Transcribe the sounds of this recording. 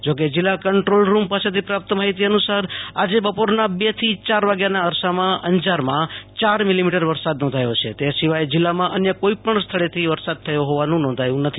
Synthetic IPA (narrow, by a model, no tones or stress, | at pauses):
d͡ʒok̬ed͡ʒɪlːakəɳʈɾolɾumpaset̪ʰipɾap̚t̪əmaɦit̪iənusaɾad͡ʒebəpoɾnabet̪ʰit͡ʃaɾʋaɡjanaəɾsamãʔənd͡ʒaɾmãt͡ʃaɾmilimiʈəɾʋəɾsad̪nɔ̃nd̪ʱajot͡ʃʰḛt̪esiʋajd͡ʒɪlːamãʔənjəkoipəɳst̪ʰəɭet̪ʰiʋəɾsad̪̚t̪ʰəjoɦoʋanũnɔ̃nd̪ʱajũnət̪ʰi̥